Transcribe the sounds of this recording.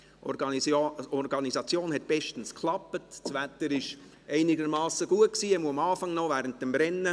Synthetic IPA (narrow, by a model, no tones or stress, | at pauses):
ɔɾɡɑnizɑt͡sjoːnɦɛt̚b̥ɛʃtən̩skʰlɑpətt͡svætəɾɪʃ | ɛɪnɪɡəɾmɑːsəɡ̥uət̚ksiːɛmuəɑmɑːfɑŋnɔvæːɾənt̚d̥ɛmbɾɛnːə